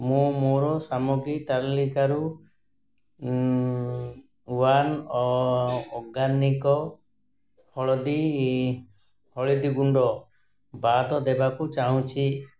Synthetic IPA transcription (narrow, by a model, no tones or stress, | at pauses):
mũmoɾɔsamuɡɾit̪allikaɾu | uwanɔː | ɡanːikɔ | hɔɭɔd̪i | hɔɭid̪iɡuɳɖɔ | bat̪ɔd̪ɛbakut͡ʃaɦũt͡ʃʰi